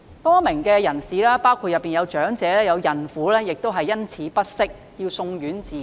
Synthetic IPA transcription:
pɔː˥mɪ˨˩ŋkɛː˧jɐ˨˩nsiː˨lɛː˥paː˥wkʰuː˧t̚jɐ˨pːiː˨njɐ˨˧wt͡ʃœː˨˥ŋt͡sɛː˨˧lɛː˥jɐ˨˧wjɐ˨˩nfuː˨˥lɛː˥jɪ˨k̚t̪o˥wɦɐ˨jːɐ˥nt͡sʰiː˨˥pɐ˥t̚sɪ˥k̚ | jiː˧wsʊ˧ŋjyː˨˥nt͡siː˨˩

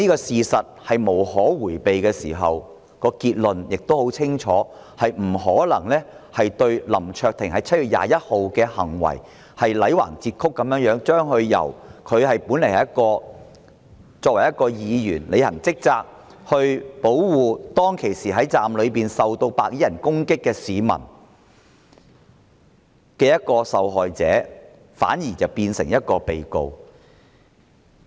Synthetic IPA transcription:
niː˥kɔː˧siː˨sɐ˨t̚hɐ˨jmo˨˩whɔː˨˥wuː˨˩jpe˨jkɛː˧siː˨˩ɦɐ̰˨w | kɔː˧kiː˧t̚lɵ˨njɪ˨k̚t̪o˥who˨˥wt͡sʰɪ˥ŋt͡ʃʰɔ̰ː˨˥ | hɐ˨jm̩˨˩ɦɔː˨˥lɐ˨˩ŋlɛː˥hɐ˨jt̪ɵ˧ɥlɐ˨˩mt͡ʃʰœː˧k̚t̪ʰɪ˨˩ŋhɐ˨˧jt͡sʰɐ˥t̚yː˨t̚ja̰ː˨jɐ˥t̚ho˨wkɛː˧hɐ˨˩ŋwɐ̰˨˩j | hɐ˨jlɐ˨˥jwa̰ː˨˩ŋt͡siː˧t̚kʰʊ˥kːɐ˨˥mjœː˨˥ŋjœː˨˥ŋt͡ʃœː˥ŋɦɵ˧ɥjɐ̰˨˩wkʰɵ˨˧ɥhɐ˨jpuː˨˥nle˨˩hɐ˨jɐ˥t̚kɔː˧ | t͡sɔː˧k̚wɐ˨˩jɐ˥t̚kɔː˧jiː˨˧jyː˨˩nle˨˧jhɐ˨˩ŋt͡sɪ˥k̚t͡saː˧k̚ | hɵ˧ɥpo˨˥wwuː˨t̪ɔː˥ŋkʰe˨˩jsiː˨˩ɦɐ˨˥jt͡saː˨mlɵ˨˧piː˨nsɐ˨wt̪o˧wpaː˧k̚jiː˨˥jɐ˨˩nkʊ˥ŋkɪ˥kːɛː˧siː˨˧mɐ̰˨˩n | kɛː˧jɐ˥t̚kɔː˧sɐ˨wɦɔː˨jt͡sɛ̰ː˨˥ | fa̰ː˨˥njiː˨˩t͡sɐ˨wpiː˧nsɪ˨˩ŋjɐ˥t̚kɔː˧pe˨jko̰˧w

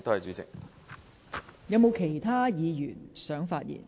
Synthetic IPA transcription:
t̪hɐ˨jt͡ʃyː˨˥t͡sɪ̰˨k̚ | jɐ˨˧wmo˨˧wkʰe˨˩jt̪ʰaː˥jiː˨˧jyː˨˩nsœː˨˥ŋfaː˧t̚jḭː˨˩n

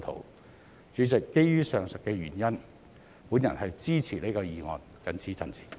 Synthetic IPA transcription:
t̪ʰo̰˨˥˩w | t͡ʃyː˨˥t͡sɪ˨˩kːe˥jjyː˥sœː˨ŋsɐ˨t̚kɛː˧ɥy̰ː˨˩njɐ˥n | puː˨˥njɐ̰˨˩nhɐ˨jt͡siː˥t͡sʰiː˨˩le˥kɔː˧jiː˨ŋɔ̰ː˨n | kɐ˨˥nt͡sʰiː˨˥t͡sʰɐ˨˩nt͡sʰi̥˨˩

